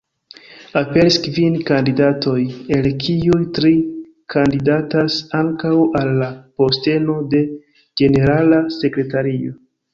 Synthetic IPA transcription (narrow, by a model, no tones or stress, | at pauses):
ape̞ɾiskvinkandidato̞je̞lkʰiujtɾi | kʰandidatasaŋkawalːapo̞ste̞no̞de̞ | d͡ʒe̞ne̞ɾalase̞kɾe̞taɾio̞